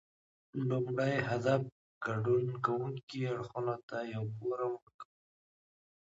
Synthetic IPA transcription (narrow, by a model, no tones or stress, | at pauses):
lʊmɽəjɦad̪af̚ | ɡ̥aɖunkawuŋkiaɽxunot̪ajawpoɾaməɾkaw